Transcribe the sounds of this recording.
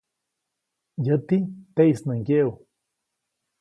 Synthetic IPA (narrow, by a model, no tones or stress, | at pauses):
jət̪it̪eisnəŋkeu